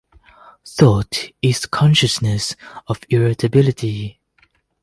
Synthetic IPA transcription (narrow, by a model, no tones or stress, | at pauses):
θɔtɪz̥kʰɔ̃nʃəsnəsɔvɪɹɪtʰəbɪlɪtʰi